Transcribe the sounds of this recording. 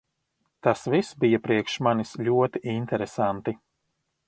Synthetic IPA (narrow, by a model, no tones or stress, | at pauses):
t̪asvisbijapɾiɛkʃmanislʲuɔt̪iʔint̪ɛɾɛsant̪i